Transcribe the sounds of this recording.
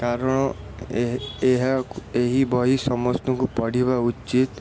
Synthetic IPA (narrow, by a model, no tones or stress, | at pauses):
kaɾɔɽ̃ɔ | eɦaeɦibɔɦisɔmɔst̪ɔŋkupɔɽ̤ibaut͡ʃːt͡ʃit̪